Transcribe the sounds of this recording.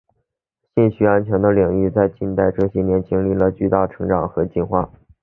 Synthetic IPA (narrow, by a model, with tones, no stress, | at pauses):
ɕɛ˥˩nɕy˧˥a˥nt͡ɕʰɥɛ˧˥nd̪ə˧li˨˩ŋi˥˧t͡sa˥˧ɪt͡ɕi˥˧nt̪a˥˧ɪʈ͡ʂɤ˥˧ɕjɛ˥˩njɛ˧˥nt͡ɕi˥ŋli˥˩lə˩t͡ɕy˥˧t̪a˥˩ʈ͡ʂʰɤ˧˥ŋʈ͡ʂɑ˨˩ŋxɤ˧˥t͡ɕi˥˧nxwa̰˥˩